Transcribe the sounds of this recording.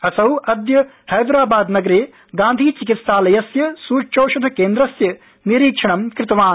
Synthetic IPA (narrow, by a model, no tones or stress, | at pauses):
ɐsɐwɐd̪jɐ | hɐjd̪ɾaːbaːd̪nɐɡɐɾeː | ɡãːnd̪ʱiːt͡ʃikit̪saːlɐjɐsjɐsuːt͡ʃoːʃud̪ʱɐkeːnd̪ɾɐsjɐ | niɾiːkʂʰɐɳɐmkɾɪt̪ɐʋaːn